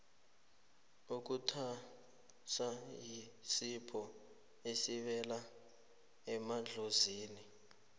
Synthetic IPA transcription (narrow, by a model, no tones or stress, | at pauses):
uk̬utʰa | sajisipʰɔ | esiɓɛla | ɛmaɮʱoziːni